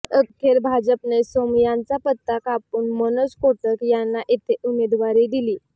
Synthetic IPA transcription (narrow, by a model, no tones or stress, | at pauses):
əkʰːeɾbʱad͡zəpnesomjãnt͡sapət̪ːakapunmənəskoʈəkjanːaʔit̪ʰeʔumed̪ʋaɾiːd̪iliː